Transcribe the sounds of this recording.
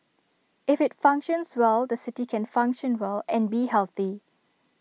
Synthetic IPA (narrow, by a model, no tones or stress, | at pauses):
ʔɪfɪtfãŋkʃə̃nswɛldəsɪtikʰɛ̃nfãŋkʃə̃nwɛlɛ̃nbihɛlθi